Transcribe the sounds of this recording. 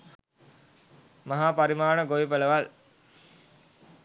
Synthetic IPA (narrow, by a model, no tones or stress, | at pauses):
maɦaːpaɾimaːɳəɡoipələʋal